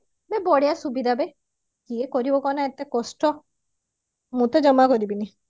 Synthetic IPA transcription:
bebɔɽejasubid̪ʱabe | kiekɔɾibɔkɔnaet̪ekɔsʈɔ | mũt̪ed͡ʒɔmakɔɾibini

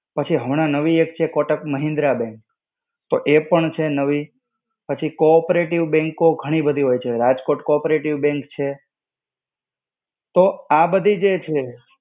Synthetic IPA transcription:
pət͡ʃʰiɦəʋɳ̃ãnəʋiek̚t͡ʃʰekɔʈəkməɦĩnd̪ɾabɛ̃ŋk | t̪oʔepəɳt͡ʃʰenəʋi | pət͡ʃʰikopɾeʈiʋbɛ̃ŋkoɡʱəɽ̃ibəd̪ʱiɦojt͡ʃʰeɾad͡ʒkoʈkɔpɾeʈiʋbɛ̃ŋkt͡ʃʰe | t̪oabəd̪ʱid͡ʒet͡ʃʰe

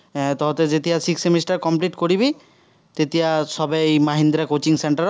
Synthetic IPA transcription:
t̪ɔɦot̪ed͡ʑet̪iasiksemisʈaɾkɔmpliʈkoɾibi | t̪et̪iasɔbeejmaɦind̪ɾakot͡ɕiŋseɳʈaɾ

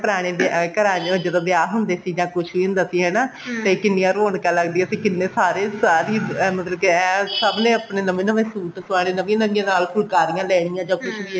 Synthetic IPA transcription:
pəɾaːɽ̃eːd̪ɪkəɾaːd͡ʒəd̪õːd̪ɪaːɦʊnd̪eːsiːd͡ʒãːkʊt͡ʃʰʋiːɦʊnd̪aːsiːɦɛːnaːt̪ẽkɪnːijãːɾoːɳkɛːləɡd̪iːɛsĩːkɪnːẽːsaːɾeːsaːɾiːmət̪ləbkeɛːsəbnẽːəpneːnəʋẽːnəʋẽːsuːʈsaːɽ̃ẽːnəʋĩnəʋɪãːnaːlkʰʊlkaːɾijãːlɛːɽ̃ɪjãːd͡ʒãːkʊt͡ʃʰʋiː

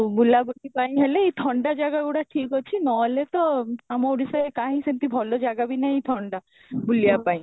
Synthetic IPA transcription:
bulabulipaj̃ɦeleit̪ʰɔɳɖad͡ʒaɡaɡuɽaʈʰikɦɔt͡ʃʰinɔlet̪ɔamɔuɽisaekaɦĩsint̪ibʱɔlod͡ʒaɡabinaĩt̪ʰɔɳɖa | bulijapaĩ

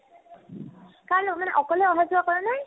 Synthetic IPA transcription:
kaɹnmanɛ̰ʔɔkɔlɛɔɦazʊwakɔɹɛnaj

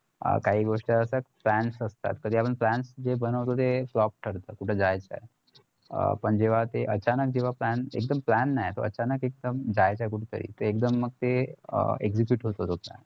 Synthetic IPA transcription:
kaɦiːɡoʂʈəəsəplænsəst̪a̰t̪kəd̪ʱiapəɳplænsd͡ʑebənəʋt̪ot̪eflɔp̚ʈʰəɾt̪əːkuʈʰəd͡zajt͡ɕa̰j | pəɳd͡ʑeʋ̤at̪eʔət͡ɕanək̚d͡ʑeʋ̤aplænḛk̚d̪əmplænːajt̪o̰ə̰t͡ɕanəkek̚d̪əmd͡ʑajt͡ɕajkuʈʰət̪ə̰ɾḭːt̪oek̚d̪əmːəɡ̚t̪ḛ | eɡzikjuʈɦot̪ot̪oplæ̰n

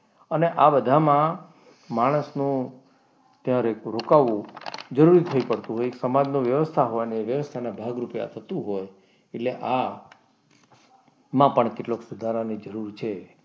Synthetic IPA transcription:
əneʔabəd̪ʱamã | maɽ̃əsnũ | t̪jãɾeɾokaʋũd͡ʒəɾuɾit̪ʰəipəɽt̪ũɦojeksəmad͡ʒnõʋjəʋəst̪ʰaɦoʋanieʋjəʋəst̪ʰanabʱaɡɾupja̰t̪ʰət̪ũɦoj | eʈleʔa | mãpəɳkeʈloksud̪ʱaɾanid͡ʒəɾuɾt͡ʃʰe

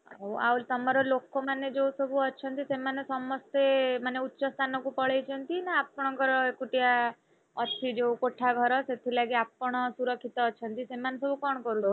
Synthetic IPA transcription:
owa̰ult̪ɔmɔɾɔlokomaned͡ʒowsɔbʱuɔt͡ʃʰɔnt̪isemanesɔmɔst̪emaneutːʃɔst̪ʰanɔkupɔɭejt͡ʃʰɔnt̪inaapɔɽ̃ɔŋkɔɾɔekuʈia | ɔt͡ʃʰid͡ʒeukoʈʰaɡʱɔɾɔset̪ʰilaɡiapɔɽ̃ɔsuɾɔkʰːit̪ɔːt͡ʃʰɔnt̪isemanesɔbʱukɔɽ̃kɔɾut̪ɔ

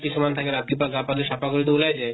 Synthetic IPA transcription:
kiʃumant̪ʰakeɾat̪̚kipaɡapaleʃapaɡoɾit̪oulad͡ʑa

